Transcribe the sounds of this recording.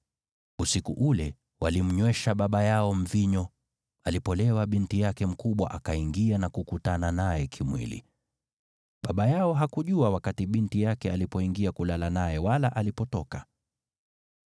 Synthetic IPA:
usikṵʔulɛ | walim̩ɲwɛʃaɓaɓajaɔm̩viɲɔ | alipɔlɛwaɓintijakɛm̩kuɓwa̰ʔakaiŋɡianakukutananajɛkʰimwḭlḭ | ɓaɓajaɔɦakuʄuawakatiɓintijakɛalipɔiŋɡiakulalanajɛwalaʔalipɔtɔka

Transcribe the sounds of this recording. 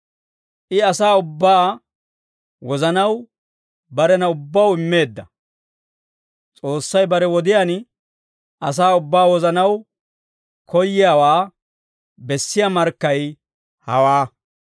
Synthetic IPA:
ʔɪɐsaːʊbːaː | wɔzɐnɐw | bɐɾɛnɐʊbːɐwɪmːe̞ːd̪ːɐ | t͡sʼo̞ːsːɐjbɐɾɛwɔd̪ɪjan | ɐs̬aːʊbːaːwɔzɐnɐw | kʰɔjːɪjaːwaː | bɛsːɪjamɐɾkːɐj | hɐ̰waː

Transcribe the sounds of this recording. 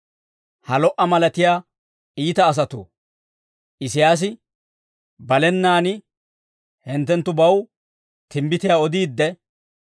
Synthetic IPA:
hɐlɔʔɐmɐlɐt̪ɪjaː | iːt̪ɐːs̬ɐt̪ṵː | ʔɪsɪjaːs̬ɪ | bɐlɛnːaːnɪ | hɛnt̪ːɛnt̪ːʊbɐw | t̪ʰɪmbɪt̪ɪjaːɔd̪iːd̪ːɛ

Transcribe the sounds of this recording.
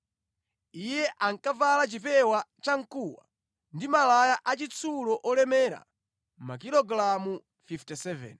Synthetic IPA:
ijɛʔaŋkavalat͡ʃipɛwat͡ʃaŋ̩kuwa̰ | ndimalajaʔat͡ʃit͡sʰulɔʔɔlɛmɛɾa̰ | makilɔɡɾamu | fiftɛsɛvɛ̰n

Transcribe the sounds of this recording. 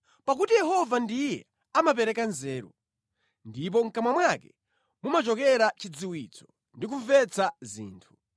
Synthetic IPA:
pak̬utijɛɦɔvandijɛ̰ | amap̬ɛɾɛkanzɛːɾṵ | ndip̬ɔŋ̩kamwamwakɛ | mumat͡ʃɔkɛɾat͡ʃid͡ziwit͡sʰɔ̥ | ndik̬uɱvɛt͡sazḭːntʰu̥

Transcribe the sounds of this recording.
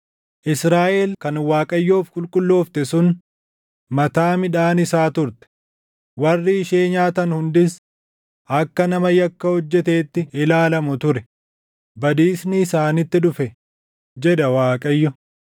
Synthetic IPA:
ʔɪsɾaːʔelkɐnwaːkʼɐjːoːfkʼʊlkʼʊlːo̞ːft̪ɛsʊn | mɐt̪aːmɪᶑaːnɪsaːt̪ʊɾt̪ɛ̥ | wɐrːiɪʃe̞ːɲaːt̪ɐnhʊnd̪ɪs | ɐkːɐnɐmɐjɐkːɐhɔd͡ʒːɛt̪e̞ːt̪ːɪɪlaːlɐmʊt̪ʊɾɛ | bɐd̪iːsnɪːsaːnɪt̪ːɪᶑʊfɛ | d͡ʒɛᶑɐwaːkʼɐjːɔ

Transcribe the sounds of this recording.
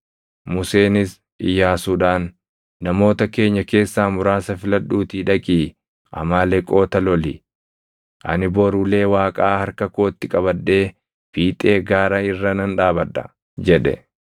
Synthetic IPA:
mʊse̞ːnɪs | ɪjːaːsuːᶑaːnː | ɐmo̞ːt̪ɐke̞ːɲːɐke̞ːsːaːmʊɾaːsɐfɪlɐᶑuːt̪iːᶑɐkʼiː | ʔɐ̰maːlɛkʼo̞ːt̪ɐlɔli | ʔɐ̰nɪboːɾuːle̞ːwaːkʼaːhɐɾkɐko̞ːt̪ːɪkʼɐβɐᶑːe̞ː | fiːt̪ʼe̞ːɡaːɾɐɪrːɐnɐnᶑaːbɐᶑɐ̰ | d͡ʒɛᶑɛ̰

